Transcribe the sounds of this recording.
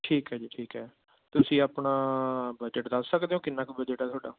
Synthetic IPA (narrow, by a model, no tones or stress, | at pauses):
ʈʰiːkɦɛːd͡ʒiːʈʰiːkɦɛː | t̪ʊsĩːaːpɳaːbəd͡ʒəʈd̪əsːəkd̪eːõːkɪnːaːkbəd͡ʒəʈaːt̪ʰoːɖa̰ː